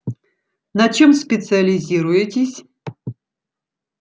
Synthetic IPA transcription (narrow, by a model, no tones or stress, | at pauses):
nɐt͡ʃʰemspʲɪt̪sɨɐlʲizʲiɾʊjetʲɪsʲ